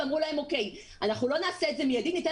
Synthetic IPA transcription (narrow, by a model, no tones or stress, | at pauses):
amʁulahe̞mo̞ke̞j | anaχnulo̞naːseetzemijad̪init̪e